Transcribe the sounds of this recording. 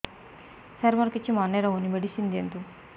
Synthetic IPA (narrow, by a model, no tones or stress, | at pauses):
sɐɾmɐɾkit͡ʃːimaːnːeɾɐmonimɐɽisind̪ent̪u